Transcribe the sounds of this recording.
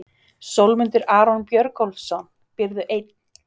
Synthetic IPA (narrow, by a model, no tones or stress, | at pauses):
sowlmʏnt̪ʏɾaːɾɔnpjœɾkhɔlfsɔn | pɪɾðʏʔejt̪n